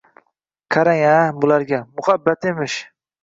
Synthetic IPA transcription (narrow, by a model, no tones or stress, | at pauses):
kʰaɾaŋabʊlaɾɡʲamʊhabːat̪emɪʃ